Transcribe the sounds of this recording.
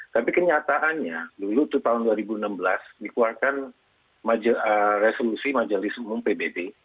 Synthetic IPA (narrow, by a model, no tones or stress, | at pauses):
t̪apikəɲat̪aʔanɲadulut̪ut̪aɦʊnduaɾibuənambəlasdikuarkan | mad͡ʒəresolusimad͡ʒolɪsumʊmpebebe